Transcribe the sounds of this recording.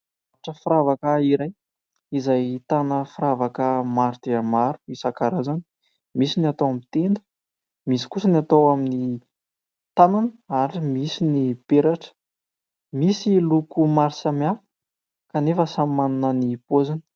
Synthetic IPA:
aʈ͡ʂəfiɾavakəiɾaj | izajt̪anəfiɾavakəmaɾt̪eamaɾu̥isakaɾazani̥ | misiniat̪owamit̪end̪ə̥ | misi̥kusənat̪owamini | t̪ananəaɾimisinib̥eɾaʈ͡ʂə̥ | misilukumaɾisamafu̥ | kanefəsammanunənipozan

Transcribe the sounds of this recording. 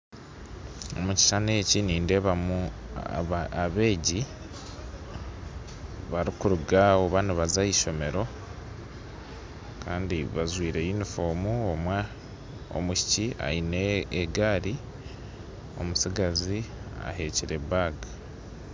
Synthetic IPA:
omuci̥ʃane̞ːciniːndeβamu | aβe̞ːɟi | βaɾikuɾuɡaoβaniβazaiʃo̞me̞ɾo̞ | kʰaːndiβazwiːɾe̞jinifo̞ːmuomwa | o̰muci̥cia̰ineːɡaːɾi | o̞̰musiɡazia̰he̞ːciɾe̞baɡa

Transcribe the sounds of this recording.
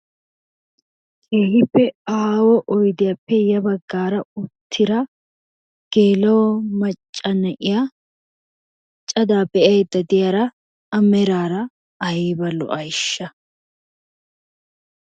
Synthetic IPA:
ehɪpːɛaːwɔʔɔjd̪ɪjɐpːɛjɐbɐɡːaːɾɐʊt̪ʰːɪɾɐ | ɡ̥eːlɐwɔmɐt͡ʃʼːɐnɛʔɪja | t͡ʃʼːɐd̪aːbɛɛjɛd̪ːɐd̪ɪjɐɾɐ | ɐmɛɾaːɾɐ | ɐjibɐlɔ̰ʔɐjʃːɐ

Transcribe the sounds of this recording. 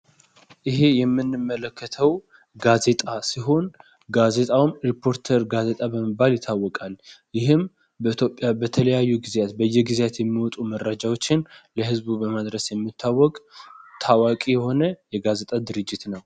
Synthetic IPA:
ʔɨhe̞jɛmːɨnːɨmːələkʰːət̪ʰəw | ɡaze̞t̪ʼasiɦo̞n | ɡaze̞t̪ʼawmɾipʰo̞ɾt̪ʰəɾɡaze̞t̪ʼabəməbaljɪt̪ʰːawːɔkʼaljɪhɨm | bəit̪ʰjo̞pʼːjabət̪ʰələjajːuɡɨzat̪bəjːɛɡɨzjat̪jɛmːiwɔt̪ʼumərːad͡ʒawo̞t͡ʃːɪnləhɨzbubəməd̪ɾəsjɛmːɨt̪ʰːawːɔkʼt̪ʰawakʼijɛho̞nəjɛɡaze̞t̪ʼad̪ɨɾɨd͡ʒːɪt̪nəw

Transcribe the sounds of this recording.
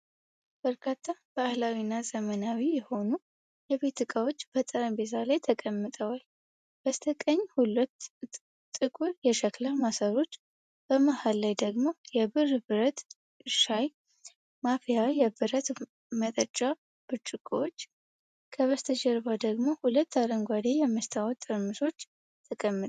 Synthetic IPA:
b̥əɾkʰat̪ʰːab̥ahlawinːazəmənawijɛho̞nu | jɛβe̞t̪ːɨkʼawot͡ʃːb̥ət̪ʼəɾənbet̪ʰalajt̪ʰəkʼəmːɨt̪ʼəwal | b̥əst̪ʰəkʼəɲːhulət̪ːʼ | ɨkʼuɾjɛʃəkləmasəɾo̞t͡ʃː | b̥əmahalːajd̪əɡmo̞jɛbɨrbɨɾət̪ | ɨʃaj | mafijawjɛbɨɾət̪ | mət̪ʼət͡ʃʼːa | b̥ɨt͡ʃʼːɨkʼowot͡ʃː | kʰəβəst̪ʰəd͡ʒɛɾbad̪əɡmo̞hulət̪ːaɾəŋɡʷad̪ejɛmːəst̪ʰawɔt̪ʼːɨɾmɨʃo̞t͡ʃː | t̪ʰəkʼəmːɨt̪

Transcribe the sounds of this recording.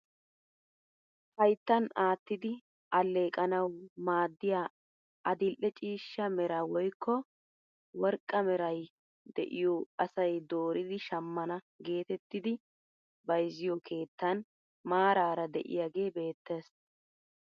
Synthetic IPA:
hɐjt̪ːɐnaːt̪ːɪd̪ɪ | ʔɐlːeːkʼɐnɐwmaːd̪ːɪjaː | ʔɐd̪ɪlʔɛt͡ʃʼiːʃːɐmɛɾawɔjkːɔ | wɔɾkʼːɐmɛɾɐj | d̪ɛ̰ʔɪjoɐsɐjd̪o̞ːɾɪd̪ɪʃɐmːɐnɐ | ɡe̞ːt̪ɛt̪ːɪd̪ɪ | bɐjzːɪjɔkʰe̞ːt̪ːɐn | maːɾaːɾɐd̪ɛʔɪ̰jaɡe̞ːbe̞ːt̪ːeːs

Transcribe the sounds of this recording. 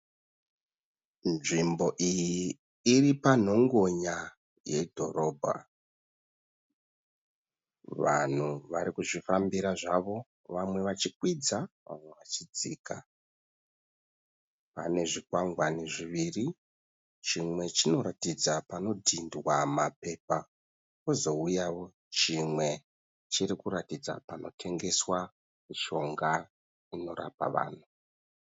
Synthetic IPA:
nʐimbo̞ʔijiː | ripan̤o̞ŋɡo̞ɲa | je̞̰dʱo̞ro̞ːbʱa̰ | ʋa̰n̤uʋaɾikuʐifambiɾaʐaʋo̞ | ʋamwe̞ʋat͡ʃikwid͡zaʋa̰mwe̞ʋat͡ʃid͡ziːka | pa̰ne̞ʐikwaŋɡwane̞ʐiʋiri | t͡ʃimwe̞t͡ʃino̞ɾatid͡zapano̞dʱindwamape̞ːpa | ko̞zo̞ujaʋo̞ | t͡ʃimwe̞ | t͡ʃiɾikuɾatid͡za̰pano̞tʰe̞ŋɡe̞swa | miʃo̞ŋɡa | ino̞ɾa̰pa̰ʋa̰ːn̤u

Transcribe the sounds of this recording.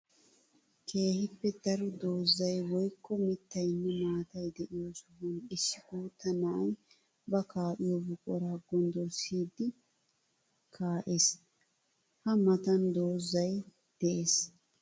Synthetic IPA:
kʰe̞ːhɪpːɛd̪ɐɾʊd̪o̞ːzːɐjwɔjkːɔmɪt̪ːɐjnːɛmaːt̪ɐjd̪ɛʔɪjosɔhʊnɪsːɪɡuːt̪ːɐnaːj | bɐkaːʔɪjɔbʊkʼɔɾɐɐɡɔnd̪ɔsiːd̪ɪ | kʰaːʔes | hɐmɐt̪ɐnd̪oːzːɐj | d̪̥ɛʔeːs

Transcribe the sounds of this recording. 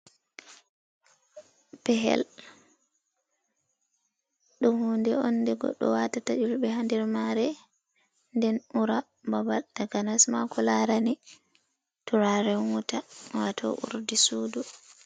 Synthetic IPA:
pɛɦɛ̰l | ɗumhuːndɛɔnːdɛɡɔ̰ɗːɔ̰watatad͡ʒulɓɛhandɛɾmaɾɛ | ndɛnuɾa | babaltaɡanasmakɔlaɾani | tuɾaɾɛhuŋutawatʰɔ̰ʔṵɾdisuːdu

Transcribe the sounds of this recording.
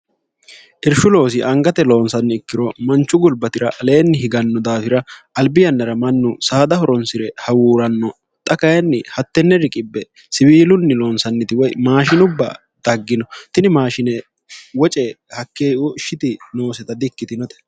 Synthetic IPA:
ʔɪɾʃʊlo̞ːs̬ɪʔɐŋɡɐt̪ɛlo̞ːnsɐnːɪɪkːɪɾɔmɐnt͡ʃːʊɡʊlbɐt̪ɪɾɐʔle̞ːnːɪhɪɡɐnːɔd̪aːfɪɾɐʔɐlbɪjɐnːɐɾɐmɐnːʊsaːd̪ɐhɔɾɔnsɪɾɛhɐwuːɾɐnːɔ | t̪ʼɐkɐjɐnːɪhɐt̪ːɛnːɛɾɪkʼɪbːɛ | sɪbiːlʊnːɪlo̞ːnsɐnːɪt̪ɪwɔjmaːʃɪnʊbːɐ̰ | d̪̥ɐɡːɪnɔt̪ɪnɪmaːʃɪnɛ | wɔt͡ʃʼɛ | hɐkːeːʊɪʃːɪt̪ɪno̞ːsɛt̪ɐd̪ɪkːɪt̪ɪnɔt̪ɛ̥

